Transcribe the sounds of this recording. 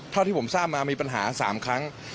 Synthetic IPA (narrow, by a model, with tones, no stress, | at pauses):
t̪ʰa˥˩t̪ʰiː˥˩˦saː˥˩p̚maː˧miː˧pa˧nɦaː˩˦sa̰ː˩˦mkʰɾa˦˥ŋ